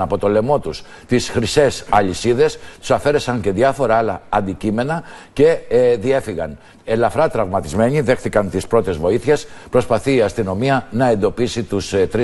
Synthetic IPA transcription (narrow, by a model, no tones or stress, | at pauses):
ɐpo̞t̪o̞le̞mo̞t̪us | t̪isxɾise̞sɐʎisiðe̞st̪u̥sɐfe̞ɾe̞sɐɲce̞ðjɐfoɾɐɐlɐɐnd̪icime̞nɐce̞ðie̞fiɣɐn | elɐfɾɐt̪ɾɐvmɐt̪izme̞ɲiðe̞xθikɐnt̪ispɾo̞t̪e̞zvo̞iθçe̞spɾo̞spɐθiːɐst̪ino̞miɐnɐe̞nd̪o̞pisit̪ust̪ɾi